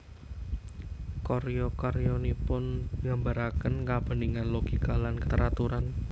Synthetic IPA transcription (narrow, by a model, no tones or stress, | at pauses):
koɾjɔkɔɾjɔnipʊnɡambaɾakənkab̥ə̤niŋanloɡ̥ikalankət̪əɾat̪uɾan